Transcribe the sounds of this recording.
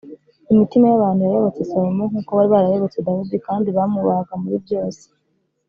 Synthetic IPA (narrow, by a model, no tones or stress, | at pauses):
imitimajaβaːnthujajo̞βo̞t͡se̞saɾomoŋuːkoβaɾiβaɾajo̞βo̞t͡se̞dahudikaːndiβamuβaɡamuβibɟo̞ːse̥